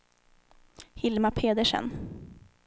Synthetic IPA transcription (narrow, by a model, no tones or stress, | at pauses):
hɪlmapʰeːd̪əʂə̰n